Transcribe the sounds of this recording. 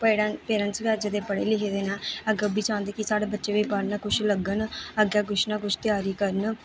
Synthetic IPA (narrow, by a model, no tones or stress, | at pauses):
pəɽapeːɾənsʋjaːd͡ʒəd̪eːpəɽḛːlɪkʰeːd̪eːnaːəɡbiːt͡ʃãːnd̪eːkisaːɽeːbətːʃeːʋiːbaːɾnaːkʊt͡ʃʰləɡənəɡjaːkʊt͡ʃʰnãːkʊt͡ʃʰt̪ɪjaːɾiːkəɾən